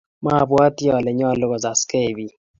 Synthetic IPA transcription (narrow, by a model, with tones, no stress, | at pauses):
ma˦˨bwa˦ti˦ɔ˨lɛ˨ɲɔ˦˨lʊ˦ɡɔ˨za˨ske˦˨bi˨